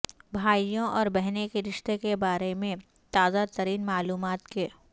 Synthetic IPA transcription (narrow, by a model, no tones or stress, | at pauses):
bʱaːijõʔɔːɾbɛɦnekeɾɪʃt̪ekebaːɾemẽ | t̪aːzat̪əɾiːnmaːluːmaːt̪ke